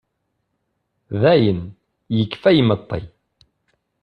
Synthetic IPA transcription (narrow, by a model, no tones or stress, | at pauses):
ðæjən | jəkːfæjmət̪ˤːḭ